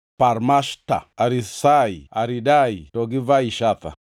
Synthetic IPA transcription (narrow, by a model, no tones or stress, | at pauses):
paɾmaʃta̰aɾisaiaɾidaitɔɡivaiʃat̪a̰